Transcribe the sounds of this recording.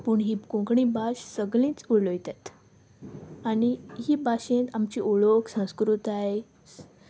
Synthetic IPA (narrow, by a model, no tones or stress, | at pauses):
puɳɦikõkɳĩbaɕsəɡlĩːt͡sulojt̪at̪ | aniɦiːbaɕẽt̪amt͡ɕiʔuɭoksə̃w̃skɾut̪aj